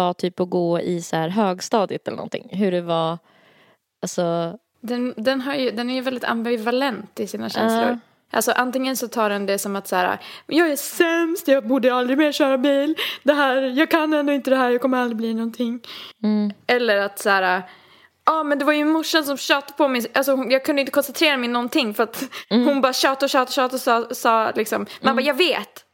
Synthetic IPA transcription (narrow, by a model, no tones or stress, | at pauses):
at̪ʰyːpɔɡoːɪsaæːɾɦøːɡst̪ɑːd̪ɪt̪ɛlənɔ̰nt̪ʰɪ̰ŋːɦɵɖɛva | alsɔ | d̪ɛnd̪ɛnɦaɾjɵd̪ɛnæɾjɵvɛld̪ɪt̪ʰa̰mbɪvalɛnt̪ɪsiːnaɕʃɛ̰nslʊ̰ɾ | ʔa̰lsɔʔant̪ɪŋːənsɔt̪ʰɑːɖɛnd̪ɛsɔmat̪sæːɾa̰jɑːɡæsɛmst̪jɑːbuːɖəjaald̪ɾɪɡmeːɕøːɾabiːld̪ɛɦæːɾjɑːɡ̚kʰanːɛnd̪oːɪnt̪əd̪ɛɦæːɾjɑːkʰɔmːəɾald̪ɾɪbliːnɔnt̪ʰɪŋː | ɛlːəɾat̪sæːɾa | ɑːmɛnd̪ɛvaɾjɵnmʊʂːənsɔmɕœːt̪apʰɔmɛʔalsɔhʊnjɑːɡ̚kʰɵnd̪əɪnəkʰɔnsɛnt̪ʰɾeːɾamɛɪnɔnt̪ʰɪŋːfœɾat̪hʊnbɑːɾaɕɑːt̪aɔɕɑːt̪aɔɕɑːt̪aɔsɑːsɑːlɪksɔmmɛnbajɑːɡveːt̪